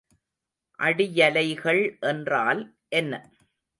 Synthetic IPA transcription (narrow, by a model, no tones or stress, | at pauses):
ʔɐɽɪjɐlɐɪɣɐɭʔɛndraːl | ʔɛnːɐ